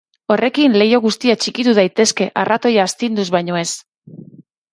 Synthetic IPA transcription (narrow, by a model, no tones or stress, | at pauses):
o̞re̞kinle̞jo̞ɣ̞ust̪iat͡ʃikit̪uð̞ajt̪e̞ske̞ʔarʔat̪o̞jaːst̪ind̪uzβajɲo̞e̞s